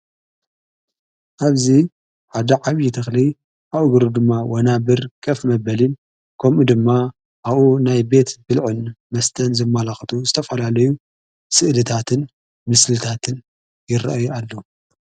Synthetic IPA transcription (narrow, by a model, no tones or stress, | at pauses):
ʔaβzi | ħad̪ɐʕaβjɪt̪ʰɐxli | ʔawɨɡɨɾud̪ɨmːawɐnabɨɾkʰʼɐfmɐbɐlin | kʰɐmʔud̪ɨmːa | ʔaβunajbe̞t̪bɨlʕɨnmɐst̪ʰɐnzɨmːalaxt̪ʰuzɨt̪ʰɐfɐlalɐju | sɨʔlɨt̪ʰat̪ʰɨn | mɨslɨt̪ʰat̪ʰɨn | jɪɾɐ̰ʔajuʔalːo